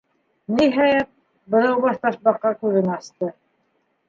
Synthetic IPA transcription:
niɦæjæt̪̚ | bɤ̆ðɑwβɑʃt̪ɑʃbɑqːɑkʉðɘnɑst̪ɤ

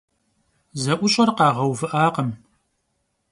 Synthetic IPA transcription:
zɐʔʷʊɕʼɐrqɑːʁɐwvɨʔaːqəm

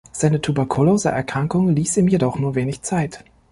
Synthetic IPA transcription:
z̥aɪnətʰubɛɐkʰoloːza̰ʔɛɐkʁ̥aŋkʊŋliːsiːmjedɔχnuːɐveːnɪçt͡saɪt

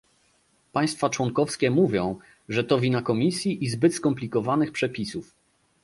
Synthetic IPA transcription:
paj̃st̪fat͡ʂwɔŋkɔfskʲɛmuvʲjɔ̃w̃ | ʐɛt̪ɔvʲinakɔmʲisʲjiʔizbɘt̪skɔmplʲikɔvanɘxpʂɛpʲisuf

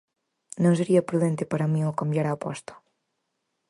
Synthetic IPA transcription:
nõŋseɾiɐpɾuðent̪epaɾamĩokambjaɾawpɔst̪o̥

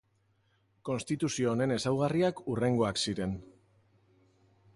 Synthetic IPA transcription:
ko̞nst̪it̪usio̞ːne̞ne̞sawɣariakure̞ŋɡo̞aksiɾe̞n

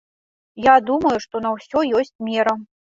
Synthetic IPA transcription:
jad̪umɐjuʂt̪ɔnɐwsʲɔjɔsʲt͡sʲmʲɛɾɐ

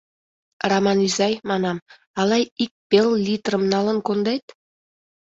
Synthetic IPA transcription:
rɑmɑnyzɑjmɑnɑm | ɑlɑjik̚pellʲit̪rəmnɑlənkond̪et̪

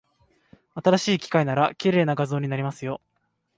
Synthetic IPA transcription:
at̪aɾaɕiːkʲi̥kainaɾakʲiɾe̞ːnaɡazo̞ːɲ̟inaɾʲimasɨjo̞

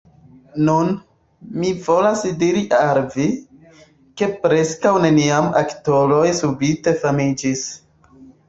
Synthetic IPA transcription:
nun | mivo̞lasdiɾiʔalvi | ke̞pɾe̞skawne̞niama̰kto̞lojsubite̞famid͡ʒis

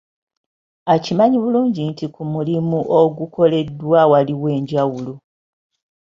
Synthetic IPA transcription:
acimaɲiβuluːɲɟintikumulimuʔoɡuko̞le̞dwawaliwe̞ːɲɟawulo

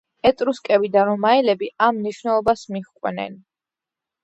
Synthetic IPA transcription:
ɛt̪ʼɾuskʼɛbid̪aɾɔmaɛlɛbiamniʃwnɛlˠɔbasmiʁkʼwɛnɛ̰n

